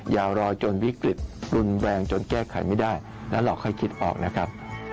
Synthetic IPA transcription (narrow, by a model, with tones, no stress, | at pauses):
jaː˧˩wɾɔː˧jt͡ɕo˧nwi˦˥kɾi˨˩t̪̚ɾu˧nwɛː˧ŋt͡ɕo˧nkɛː˥˩kʰa̰˨˩˦jma˥˩jdaː˥˩j | lɛ̰ː˦˥wlɔː˧˩kʰɔ˥˩jkʰi˦˥t̪̚ʔɔ̰ː˨˩k̚na˦˥kʰa˦˥p̚